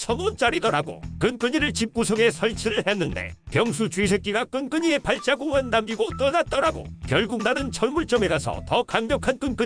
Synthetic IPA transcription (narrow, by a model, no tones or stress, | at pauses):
t͡ɕʰʌnont͡ɕ͈aɾidʌɾaɡo̰kɯnk͈ɯɲiɾɯɭt͡ɕip̚k͈usʰoɡe̞sʰʌɭt͡ɕʰiɾɯɭhe̞nːɯnde̞̰pjʌŋsʰut͡ɕɥisʰe̞k͈iɡak͈ɯnk͈ɯɲie̞paɭt͡ɕ͈aɡoŋɦandamɡiɡot͈ʌnat̚t͈ʌɾaɡo̰kjʌɭɡuk̚nadɯnt͡ɕʰʌɭmuɭt͡ɕ͈ʌmeɡasʰʌ̰tʌkaŋmjʌkʰank͈ɯnk͈ɯ